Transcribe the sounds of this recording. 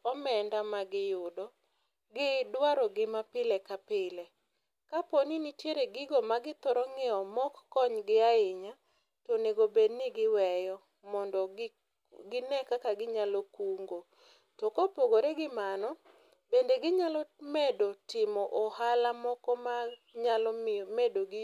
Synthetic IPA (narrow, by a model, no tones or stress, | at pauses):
ɔmɛndamaɡɪjʊdɔ | ɡɪdwaɾɔɡɪmapɪlekapɪle | kaponinitjeɾeɡɪɡɔmaɡɪt̪ɔɾɔŋɪɔmɔkːɔɲɡɪaɪɲa | tɔneɡobednɪɡɪwɛjɔ | mɔndɔ | ɡɪnɛkakaɡɪɲalɔkuŋɡo | tɔkopoɡoɾeɡɪmanɔ | bendeɡɪɲalɔmedotɪmɔʔɔhalamɔkɔma | ɲalɔmedoɡi